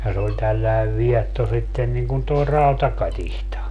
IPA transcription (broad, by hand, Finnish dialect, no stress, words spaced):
jɑ se olʲ tælːæeʋ ʋiɛtːo sitːen niŋ kun toi rɑutɑkɑtihtɑ